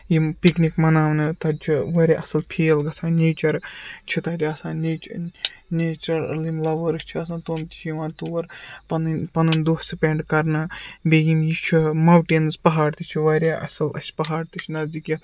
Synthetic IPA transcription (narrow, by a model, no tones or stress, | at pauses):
jipiknikmɐnaːʋnɨt̪ɐt͡ʃʰiʋɐɾʲeʔɐsɐlpʰeːlɡɐsʰãːnʲeːt͡ʃɐɾt͡ʃʰit̪ɐːd͡ʒʲʰiɐsãːnet͡ʃnet͡ʃɐɾlimlɐʋəɾɨst͡ʃʰiɐsãːnt̪oːmt̪i̥t͡ʃʰjiʋãːt̪uːɐɾpɐnnpɐnɨnd̪oːssɨpʲeɳɖkɐɾnɨbejimjit͡ʃʰimɐwʈiːnɨzpɐɦaːɖt̪it͡ʃʰiʋɐɾʲeʔɐ̰sɐlɐ̰sʲpɐɦaːɽt̪it͡ʃʰnɐzd̪ikji